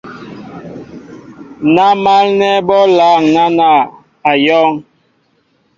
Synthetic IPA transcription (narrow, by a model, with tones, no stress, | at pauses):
na˦ma˦lnɛ˦bɔ˦la˨˦˨ŋna˦na˨ | a˨jɔ˦ŋ